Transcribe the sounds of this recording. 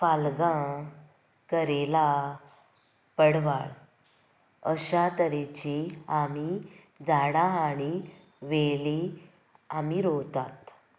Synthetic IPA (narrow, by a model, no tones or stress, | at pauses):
falɡã | kəɾela | pəɽʋaɭ | əɕat̪əɾet͡ɕiami | d͡zaɽãaɽ̃i | ʋeli | amiɾowt̪at̪